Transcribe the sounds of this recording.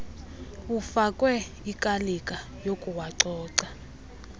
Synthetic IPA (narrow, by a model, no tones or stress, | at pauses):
ufakʼwɛ | ikʼalikʼa | jokʼuwaǀɔːǀa